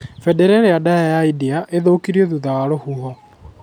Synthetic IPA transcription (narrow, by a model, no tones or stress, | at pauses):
fɛdɛɾɛɾeadajajaidiaʔeðoːkiɾiɔðuðaːlohuɦɔ